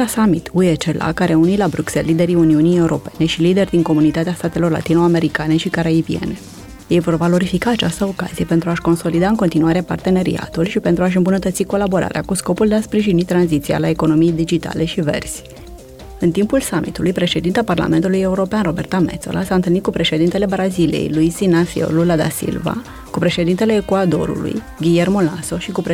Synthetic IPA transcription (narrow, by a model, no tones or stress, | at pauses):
asamit̪ʰuet͡ʃela̰kaɾe̞unilabɾukse̞lːid̪e̞ɾiuniunije̞uɾo̞̰pe̞ne̞ʃilid̪e̞rʲd̪iŋko̞munit̪at̪east̪at̪e̞lorla̰t̪inoame̞ɾikane̞ʃikaɾaiviḛne̞ | jejvo̞rvalo̞ɾifikaːt͡ʃast̪əo̞ka̰zije̞pe̞nt̪ɾuaʃko̞nso̞lid̪aɨŋko̞nt̪inuaɾe̞pa̰rt̪e̞ne̞ɾḭa̰t̪ulʃipe̞nt̪ɾuaʃ̬ɨmbunət̪ət̪siko̞labo̞ɾa̰ɾea̰kusko̞puld̪e̞aspɾiʒinit̪ɾanzit̪sia̰laeko̞no̞mijd̪id͡ʒit̪a̰le̞ʃive̞̰rzʲ | ɨnt̪impulsamʔit̪ulujpɾe̞ʃe̞d̪int̪aparla̰me̞nt̪uluje̞uɾo̞peanro̞be̞rt̪amet̪so̞̰lasaɨnt̪ɨlnit̪̚kupɾe̞ʃe̞d̪int̪e̞le̞bɾazilḭḛjlujsinafio̰lulad̪a̰sḭlva̰ | kupɾe̞ʃe̞d̪int̪e̞le̞ːkuad̪o̞̰ɾṵlṵj | ɡʲije̞rmolaso̞ʃikup